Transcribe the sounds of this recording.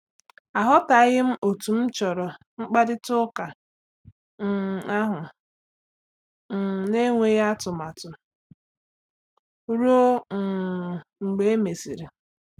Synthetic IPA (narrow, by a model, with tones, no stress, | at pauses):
a˨ɦɔ˦ta˨ɣɪ˦m̩˦ʔo˨tu˨m̩˦t͡ʃɔ˨ɾɔ˨ | ŋ͡m̩˦k͡pa˦dɪ˦tʊ˦ka˨˦˨ | a˦ɦʊ˨ | ne˦ŋʷe˦ja˦tʊ˨m˨a˨tʊ˨˦ | ɾu˦o˦ŋ̩˨ŋ͡m̩˨ɡ͡be˨e˦me˨si˨ɾi˨